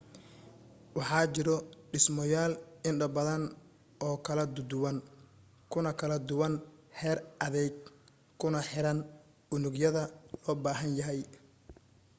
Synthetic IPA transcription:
wɑħɑːt͡ʃɪɾɔɖɪsmɔjaːlɪnɖɐbɐðɐn | ɔːkʰɐlɐd̪ʊd̪ʊwɐn | kʰʊnɐkʰɐlɐd̪ʊwɐnħɛːrɐðɛjɡ | kʰʊnɐħɪɾɐn | ʔʊnʊɡjɐðɐlɔːbaːɦɐnjɐɦɛj

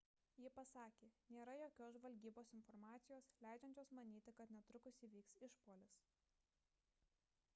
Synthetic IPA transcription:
jɪpɐsɑːkʲeːnʲeːɾɐjoːkʲoːs̬ʒʋɐlʲɡʲiːboːsɪnfɔɾmɑːt̪sʲɪjoːslʲæˑɪd͡ʒʲɛnʲt͡ʃʲoːsmɐnʲiːt̪ʲɪkɐt̪nʲɛt̪ɾʊkʊsʲiːʋʲiːksɪʃpoːlʲɪs

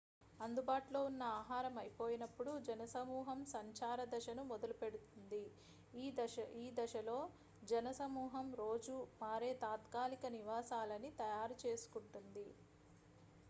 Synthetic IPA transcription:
ɐnd̪ubaːʈlo̞ːunːɐaːɦaːɾɐmɐjpo̞ːjinɐpːuɽud͡ʒɐnɐsɐmuːɦɐmsɐɲt͡ʃaːɾɐd̪ɐʃɐnumɔd̪ɐlupe̞ɽut̪und̪i | iːd̪ɐʃɐlo̞ː | d͡ʒɐnɐsɐmuːɦɐmɾo̞ːd͡ʒumaːɾeːt̪aːt̪kaːlikɐniʋaːsaːlɐnit̪ɐjaːɾut͡ʃe̞ːsu̥kuɳʈund̪i

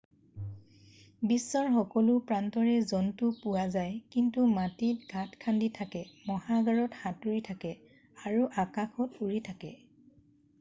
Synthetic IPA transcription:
bisːɔɹxɔkɔlʊpɹantɔɹɛzɔntʊpʊwazajkintumatitɡʱatkʰanditʰakɛmɔhaɡaɹɔtxatuɹitʰakɛ | aɹuʔakaxʰɔtuɹitʰakɛ̰

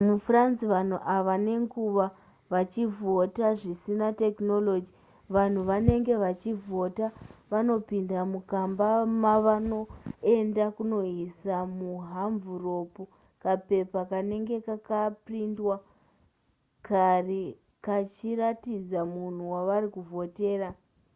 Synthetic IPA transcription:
mufransiʋan̤uʔaʋane̞ŋɡuʋa | ʋat͡ʃivo̞taʐisinate̞kno̞lo̞d͡ʒi | ʋan̤uʋane̞ŋɡe̞ʋat͡ʃivo̞taʋano̞pindamukambamaʋano̞e̞ndakuno̞ɦisamuɦaɱvuro̞pu | kape̞pakane̞ŋɡe̞kakaprindwa | kare | kat͡ʃiratid͡zamun̤uwaʋaɾikuvo̞te̞ːɾa

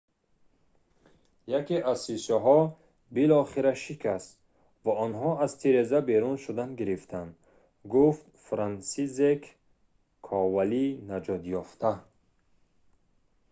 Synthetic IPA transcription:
jakiʔazsisɔɦɔ | bilɔχeɾaʃikʰas | vaɔnɦɔazt̪ʰiɾezabeɾunʃud̪anɡiɾift̪ʰand̪ | ɡuft̪fɾansizekʰ | ɔvalinad͡ʒɔt̪jɔft̪ʰa

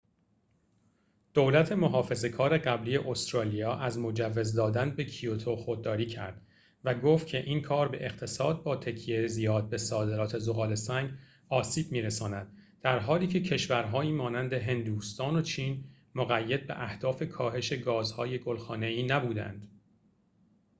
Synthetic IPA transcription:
d̪̥owlæt̪ʰe̞mo̞ɦɒːfe̞ze̞kʰɒːɾe̞ɢæbliːje̞ʔost̪ɾɒːlijɒːʔæzmo̞d͡ʒævːe̞zd̪ɒːd̪ænbe̞cʰiot̪ʰoxo̞d̪̚ːɒːɾiːcʰæ̰ɾd̪̥ | væɡoːft̪̚cʰe̞ʔiːnkʰɒːɾbeʔext̪ʰe̞sɒːd̪̚bɒːt̪ʰecʰijeɾzijɒːd̪̚be̞sɒːd̪eɾɒːt̪ʰe̞zoɣɒːle̞sæŋɡ | ɒːsiːb̥̚miːɾesɒːnæd̪̚d̪̥æɾɦɒːliːkcʰe̞cʰe̞ʃvæɾɦɒːiːmɒːnænd̪e̞ɦe̞nd̪uːst̪ɒːno̞t͡ʃʰiːn | moɣæjːed̪̚beʔæhd̪̥ɒːfe̞kʰɒːɦe̞ʃe̞ɡɒːzhɒːje̞ɡo̞lxɒːne̞iːnæbuːd̪æ̰nd̪̥

